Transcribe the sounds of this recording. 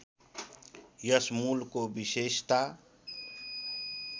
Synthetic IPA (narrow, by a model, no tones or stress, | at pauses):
jəsmuːlkobɪʃeːʃt̪aː